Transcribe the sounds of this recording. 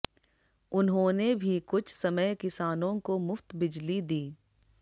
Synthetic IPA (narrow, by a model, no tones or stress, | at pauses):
ʊnɦõːnebʱikʊt͡ʃʰsɐməjkɪsaːnõkomʊft̪bɪd͡ʒlid̪iː